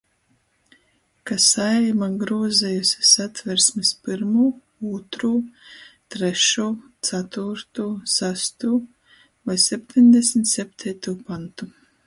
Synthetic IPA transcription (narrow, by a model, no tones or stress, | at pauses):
kasaɛjmaɡɾuɔzɛjusʲi̥sat̪vɛɾsmispiɾmuː | uːt̪ɾuːt̪ɾeɛʃuːt̪sat̪uɾt̪uːsæst̪uː | vajsʲɛp̚ʲt̪ʰʲiɲʲd̪ʲɛsmit̪ʲsʲɛp̚ʲt̪ʰɛjt̪uːpant̪u